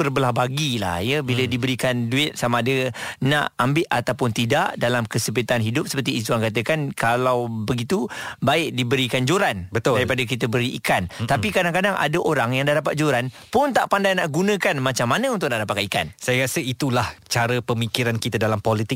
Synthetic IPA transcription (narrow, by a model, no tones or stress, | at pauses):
bərbəlahbaɡila̰hjəbilədibəɾikanduɪt̪̚samaːdənaʔambɪʔ̪ʔat̪awpʊnt̪idaʔdalamkəsəpət̪anɦidʊp̚sə̥pərt̪̬iːt̪̬uaŋkat̪əkankʰalawbəɡit̪ubaɪk̚dibəɾikand͡ʒoɾanbət̪ʊdaɾipadakit̪əbəɾiʔḭkant̪apikadaŋkadaŋa̰dəʔoɾaŋjaŋdahdapat̪̚d͡ʒoɾanpʊnt̪aʔpandajnaʔɡunə̃kanmat͡ʃamːanəunt̪ʊk̚naʔdapat̪kaika̰nsajakasəit̪ulaht͡ʃaɾəpəmikiɾankit̪adalampolit̪ɪk̚